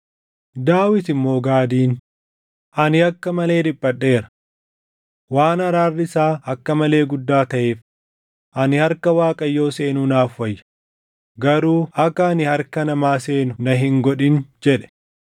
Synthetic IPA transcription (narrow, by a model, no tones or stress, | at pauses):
d̪aːwɪt̪ɪmːo̞ːɡaːd̪iːn | ʔɐnɪɐkːɐmɐle̞ːd̪ɪbːɐɗːe̞ːɾɐ̥ | waːnɐɾaːrːɪsaːɐkːɐmɐle̞ːɡʊd̪ːaːt̪ɐʔeːf | ʔɐnɪhɐɾkɐwaːkʼɐjːo̞ːse̞ːnunaːfwɐjːɐ̥ | ɡɐɾuːɐkːɐɐnɪhɐɾkɐnɐmaːse̞ːnʊnɐɦɪŋɡɔᶑɪnd͡ʒɛᶑɛ̥